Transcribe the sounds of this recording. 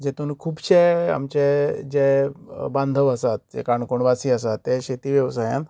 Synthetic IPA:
d͡ʑet̪uːnkʰuːbɕea̰mt͡ɕed͡ʑebãnd̪ʱəʋəsat̪̚d͡ʑɛ̰kaɳkoɳʋasiːəsat̪ːeɕet̪iːʋjəʋsajã̰n

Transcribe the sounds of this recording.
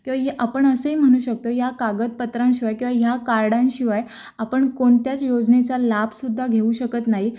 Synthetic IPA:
kĩw̃ʋaɦeʔapəɳəsəɦim̤əɽ̃uːɕək̚t̪ojakaɡət̪̚pət̪ɾãnɕiʋajkĩw̃ʋaɦjakaɾɽãnɕiʋaj | apəɳkoɳt̪jat͡sjod͡znet͡salabsud̪ʱːaɡʱeuːɕəkət̪naɦi

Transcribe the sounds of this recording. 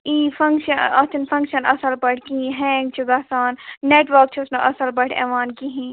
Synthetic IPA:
iːfʰɐ̃ŋkʃənɐt̪ʰɪnfʰɐ̃ŋkʃənɐ̰səlbɐʈʰkiɦɛ̃ːŋɡt͡ʃʰuɡaːsaːnːeːʈʋəɾk̚t͡ʃʰʊsneʔɐsəlbɐʈʰɛ̰ːʋaːnkiɦĩ

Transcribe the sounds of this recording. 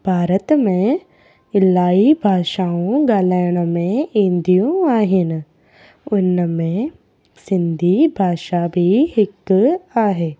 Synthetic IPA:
bʱaːɾət̪mẽ | ɪlaːibʱaːʃaːõɡaːlaːɪɽ̃mẽĩnd̪ijõaːɦɪnɪ̆ | ʊnmẽ | sɪ̃nd̪ʱibʱaːʃabʱihɪkaːɦeː

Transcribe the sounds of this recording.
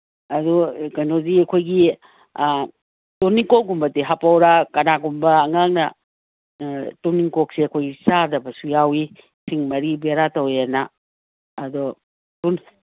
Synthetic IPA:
ɐdukɐnoziɐkʰojɡi | tuniŋkokɡumbɐtiɦapawɾakɐnaɡumbɐːŋaŋnɐ | tuniŋkok̚siɐkʰojɡisaɾdɐbɐsujawi | siŋmɐɾibeɾatɐwjenaː | do | tun

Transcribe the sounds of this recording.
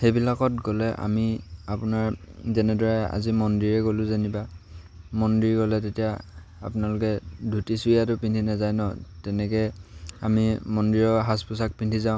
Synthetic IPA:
xejbilakɔtɡɔlɛʔa̰miapʊnaɹzɛnɛdɔɹɛa̰zimɔndiɹɛɡolʊ̃zaniba | mɔndiɹɡɔlɛtetija | a̰pʊnalʊkɛdʱutisujatʊpintʰinazajnɔ̰tɛnɛkɛamimɔndiɹɔɦaspusak̚pintʰizaʊ̃

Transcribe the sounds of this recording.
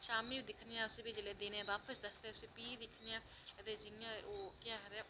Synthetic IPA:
ʃaːmiid̪ɪkʰnijãʊsebʱid͡ʒəled̪eːneɛ̃ʋaːpəsd̪ɐsteʊsepiːd̪ɪkʰnijãː | ɐd̪ed͡ʒɪŋjãokjaːɦɐɾɛ

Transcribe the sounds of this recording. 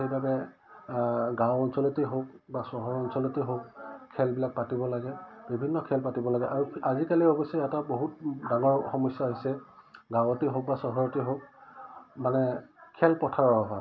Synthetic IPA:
xejbabɛ | ɡãwɔnsɔlɔtiɦok | basɔɦɔɹɔnsɔlɔtiɦok̚kʰːɛlbilak̚patibɔlaɡɛbibʱinːɔkʰɛlpatibɔlaɡɛʔaɹuazikaliɔbɔsɔjataboɦut̚daŋɔɹxɔmɔsjaɦisɛɡãwɔtiɦok̚basɔɦɔɹɔtiɦok̚ | manɛkʰɛlpɔtʰaɹɔbɔɦa

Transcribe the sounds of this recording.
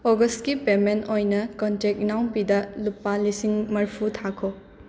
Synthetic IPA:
oɡɐst̚kipemenojnɐkɔntek̚nawnpidɐlupːalisiŋmɐɾpʰutʰakʰo

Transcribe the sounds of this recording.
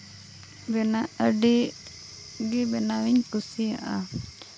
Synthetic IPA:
bɛnaʔəɖi | ɡɛbɛnawiɲkusia̰ʔa

